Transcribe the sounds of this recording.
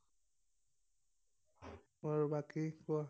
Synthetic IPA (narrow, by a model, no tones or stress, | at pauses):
moɹbakikʊa